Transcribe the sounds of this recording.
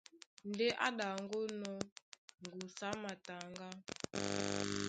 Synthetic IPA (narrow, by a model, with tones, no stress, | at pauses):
nde˦ʔa̰˦ɗa˨ŋɡo˦nɔ˦ŋɡu˨sa˦ma˨ta˨ŋɡa˦